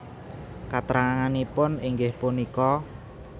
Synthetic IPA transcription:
kat̪ɾaŋaŋanipʊniŋɡɪhpunikɔ

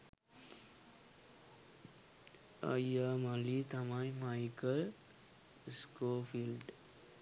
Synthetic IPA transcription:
ʌ̰jamalit̪amãj̃maikəl | skopʰilɖ

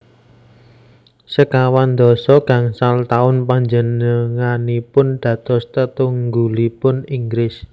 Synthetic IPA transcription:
səkawand̪ɔ̤sɔɡ̥ä̤ŋsalt̪aʊnpaɲd͡ʒənəŋanipʊnɖ̪̥ä̤t̪ɔst̪ət̪uŋɡulipʊniŋɡɾɪs

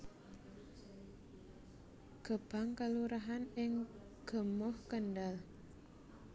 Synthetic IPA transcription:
ɡ̥ə̤b̥aŋkaluɾaɦanɪŋ | ɡ̥ə̤mʊhkənɖal

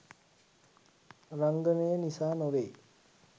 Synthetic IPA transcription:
raŋɡənejənisaːnoʋe

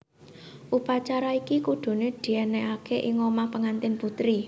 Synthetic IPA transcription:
ʔupat͡ʃaɾaikikuɖ̪̥ṳneɖ̪̥i̤ɛneakeʔɪŋomahpəŋant̪ɪnput̪ɾi

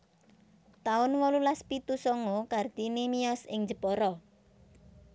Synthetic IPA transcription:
t̪aʊnwɔlulaspit̪usɔŋokard̪inimijɔsɪŋd͡ʒəpɔɾɔ

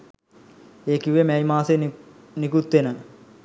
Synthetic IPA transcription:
eːkiʋemɛjmaːse | nikut̪ʋenə

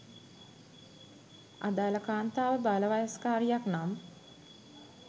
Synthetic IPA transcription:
a̰d̪aːləkaːnt̪aːʋəbaləʋajaskaːɾijaknam

